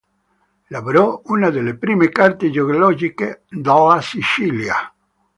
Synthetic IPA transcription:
laβoɾɔunaðelepɾimekaɾt̪ed͡ʒoɡolɔd͡ʒiked̪alasit͡ʃilja̰

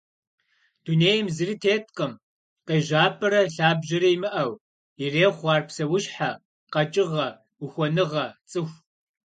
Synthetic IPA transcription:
d̥uːneːjɐmzɨritʰeːtʰqəm | qeːʒaːpʰʼɐɾɐɬaːbʑɐɾɐimɨʔɐw | ireːχʷɑːrpsɐwʊɕħa | qɐt͡ʃʼɪʁɐ | ʊxʷɔnɨʁɐt͡sʼɨxʷ

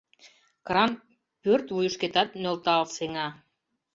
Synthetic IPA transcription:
kɾɑn | pørt̪vujuʃket̪ɑt̪mølt̪ɑlseŋɑ

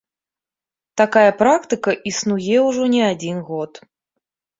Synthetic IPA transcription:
t̪akajɐpɾakt̪ɨkɐʔisnujɛwʐɔnʲɛad͡zʲinɣɔt̪

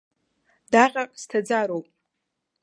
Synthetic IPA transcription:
d̥aʁʲʼaqʼstʰad͡zaɾowpʼ

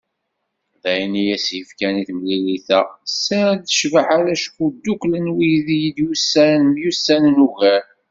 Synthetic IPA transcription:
ðæjnijæsjəfkæniθmliliθæsæðəʃvəħaɾæʃkːud̪ːuklənwijðijd̪jusːænmjusːænnuɣæɾ

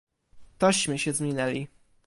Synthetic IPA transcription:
t̪ɔɕmɘɕɛzmʲinɛlʲi

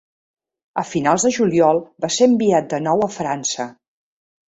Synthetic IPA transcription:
əfinalˠzðəʒuliɔlˠbaseəmbiat̪̚d̪ənɔwəfɾansə

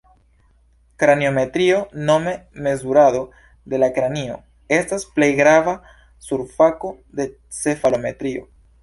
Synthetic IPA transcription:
kɾanio̞me̞tɾio̞no̞me̞me̞zuɾado̞ | de̞lakɾanio̞̰ | e̞stasple̞jɡɾava | suɾfako̞ | de̞ | t͡se̞falo̞me̞̰tɾio̞̰

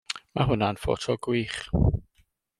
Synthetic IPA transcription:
maɦʊnanfo̰tʰɔɡwiːχ

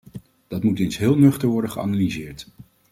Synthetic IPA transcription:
d̥ɑtmutɪnsɦɪːlˠnɵχtəɹʋɔɹdəχəɑ̰nalizɪːɹt

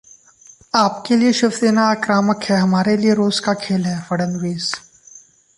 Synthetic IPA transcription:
aːpkelieʃɪfseːnaakɾaːməkɦɛɦɐmaːɾelieɾoːzkakʰeːlɦɛːfɐɽə̃nʋeːs

